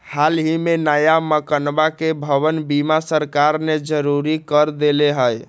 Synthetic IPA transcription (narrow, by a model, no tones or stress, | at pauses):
halɦimenajaməkənbakebʱəβənbimasəɾkaɾned͡ʒəɾuɾikəɾd̪eleɦəj